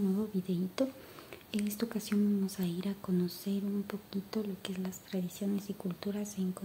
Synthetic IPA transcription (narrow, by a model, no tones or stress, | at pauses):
nwe̞βo̞βiðe̞it̪o̞ | enest̪aokasjo̞mbamo̞saiɾako̞no̞se̞ɾumpo̞kit̪o̞lo̞keezlast̪ɾaðisjo̞ne̞sikult̪uɾaseŋko